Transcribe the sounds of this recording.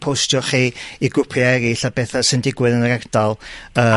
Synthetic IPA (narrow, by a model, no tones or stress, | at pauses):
pʰowstjɔχiiɡʊpʰjaɛɾiɬabɛθasɪndɪɡwɨðənəɾɛrd̥alˠəː